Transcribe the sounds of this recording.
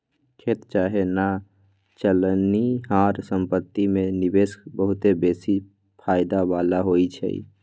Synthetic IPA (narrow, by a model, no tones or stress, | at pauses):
kʰet̪t͡ʃaɦena | t͡ʃəlniɦaɾsə̃mpət̪ːimẽnibesbəɦʊt̪ebeːsi | pʰaɪd̪abalaɦoit͡ʃʰɛ̰ḭ